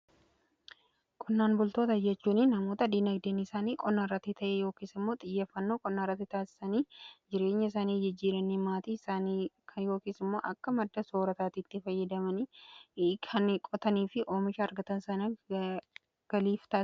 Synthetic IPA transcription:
kʼʊnːaːnbʊlt̪oːt̪ɐd͡ʒɛt͡ʃːuːnɪnɐmo̞ːt̪ɐd̪iːnɐɡd̪eːnɪsaːniːkʼɔnːaːrɐt̪ːɪt̪ʰɐʔejo̞ːkiːsɪmːo̞ːt̪ʼɪjːeːfːɐnːoːkʼɔnːaːrːɐt̪ːɪt̪aːsɪ̥sɐniːd͡ʒɪɾe̞ːɲːɐɪs̬aːniːd͡ʒɪd͡ʒːiːɾɐnːiːmaːt̪iːsaːkʰjo̞ːkiːsɪmːo̞ːʔɐkːɐmɐd̪ːɐso̞ːɾɐt̪aːt̪iːt̪ːɪfɐjːɐd̪ɐmɐni | kʰɐnkʼɔt̪ɐniːfɪʔo̞ːmɪʃɐɐɾɡɐt̪ɐnsɐnɐ | ɡ̥ɐliːft̪aː

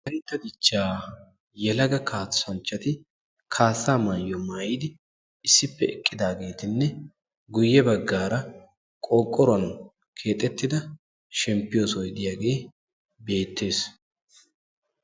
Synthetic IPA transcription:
kɐnt̪ːɐd̪ɪt͡ʃːaː | jɛlɐɡɐkʰaːtːɐnt͡ʃːɐt̪ɪ | kʰaːsːaːmajːɔmaːjid̪ɪ | ɪsːɪpːɛɛkʼːɪd̪aːɡe̞ːt̪ɪnːɛ | ɡʊjːɛbɐɡːaːɾɐ | kʼɔːkʼːɔɾɐn | kʰe̞ːt̪ʼːɛt̪ːɪd̪ɐ | ʃɛmpːɪjoːsɔjɪd̪ɪjaːɡe̞ː | be̞ːt̪ːe̞ːs

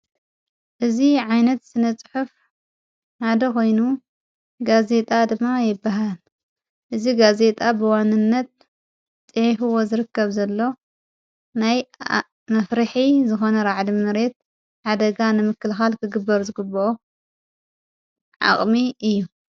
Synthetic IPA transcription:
ʔɨziʕajnɐt̪sɨnɐt͡sʼɨħuf | ħad̪ɐko̞jnu | ɡaze̞t̪ʼad̪ɨmːajɪbːaɦal | ʔɨziɡaze̞t̪ʼabɨwanːɨnːɐt̪̚ | t͡sʼɨʕifɨwo̞zɨɾɨkːɐβzɐlːo̞ | naj | mɐfɾɨħizɨxo̞nɐɾaʕd̪imɨɾe̞t̪̚ | ħad̪ɐɡanɨmɨkːɨlxalkʰɨɡɨbːɐɾzɨɡɨbːɐʔo | ʕa̰χʼmiɨjːu

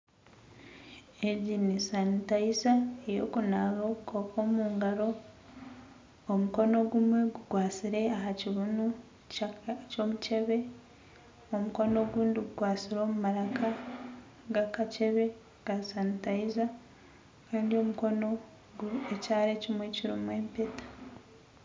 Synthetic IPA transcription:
eɟinisanitajizaejo̞̰ːkunaɣokoko̞ːmuːŋɡaɾo̞ | muko̞no̞ɡumwe̞ɡuɡwaːt͡siɾe̞ahaciβunu | co̞ːmuce̞βe̞ | omuko̞no̞ɡuːndiɡuɡwaːsiɾo̞ːmumaɾaka | ɡakace̞βe̞ | ɡ̥asanitaiza | kaːndio̞muko̞no̞ | ɡuecaːɾe̞cimwe̞ciɾimwe̞ːmpe̞tḁ

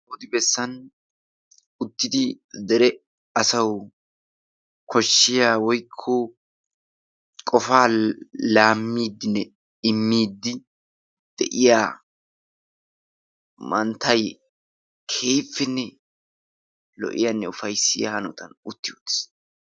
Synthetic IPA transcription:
ɔd̪ɪbɛsːɐn | ʊt̪ːɪd̪ɪ | d̪ɛɾɛ | ɐsɐw | kʰɔʃːɪjaːwɔjkʰːo | kʼɔfaːlaːmːiːd̪ːɪnːɛ | ɪmːiːd̪ːɪ | d̪̥ɛʔɪjaː | mɐnt̪ʰɐj | kʰe̞ːfːɛnːɛ | lɔ̰ʔɪ̰jɐnːɛʊfɐjsɪjahɐnɔt̪ɐnʊt̪ːɪʊt̪ːɪ̥s

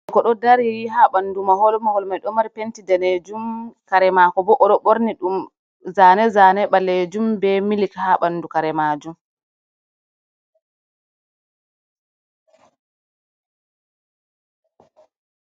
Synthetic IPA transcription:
kɔɗɔdaɾwiɦaɓanːdumahɔlmahɔlmajɗɔmaɾipentidaned͡ʒumkaɾɛmakɔbɔʔɔɗɔɓoɾniɗum | zanɛzanɛɓaled͡ʒumbɛmilikhaɓanːdukaɾɛmad͡ʒum

